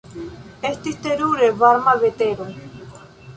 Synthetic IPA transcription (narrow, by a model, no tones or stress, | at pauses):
est̪ist̪eɾuɾeβaɾmaβet̪eɾo